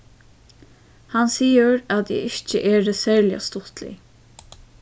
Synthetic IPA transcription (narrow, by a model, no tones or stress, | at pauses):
hansiːəɾat̪jɛ̰ɪçt͡ʃəʔɛːɛsɛːɹlɪa̰st̪ʊht̪lɪ̰